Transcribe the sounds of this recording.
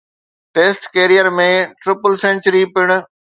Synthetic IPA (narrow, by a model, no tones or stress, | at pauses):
ʈeːsʈkeːɾijəɾmẽʈɾɪpəlsɛ̃ːnt͡ɕəɾipɪɽ̃ʊ̆